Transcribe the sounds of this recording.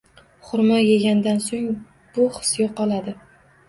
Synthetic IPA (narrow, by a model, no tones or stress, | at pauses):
χʊɾmajeɡʲand̪ansoŋ | b̥ʊχɨ̥sjoqɒlˠad̪ɪ